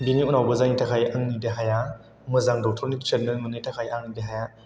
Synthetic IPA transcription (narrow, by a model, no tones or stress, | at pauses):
biniunawbɯzaŋitʰakʰajaŋnɯdeɦaja | mɯzaŋdɔk̚tʰɔɾnitʰetnɯmɯnitakʰajaŋnɯdeɦaja